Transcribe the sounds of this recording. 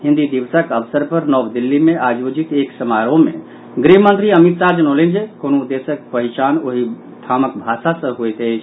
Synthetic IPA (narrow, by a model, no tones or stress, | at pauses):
ɦĩnd̪id̪iʋsəkəʋsəɾpəɾnɔʋd̪ilːimeʔad͡ʒod͡ʒit̪eksəmaɾõmḛ | ɡɾimənt̪ɾiəmit̪sad͡ʒənolend͡ʒekonud̪esəkpəɦit͡ʃanoɦi | t̪ʰaməkbʱasasə̃ɦojt̪ət͡ʃʰ